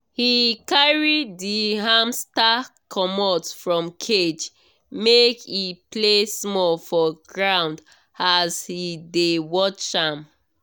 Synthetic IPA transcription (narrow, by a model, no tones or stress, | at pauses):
hikaɹidiɦãmstakʰɔmɔtfɹɔ̃mkʰed͡ʒ | mekiplesmɔlfɔɡɹãʊ̃nd | azhidewɔt͡ʃãm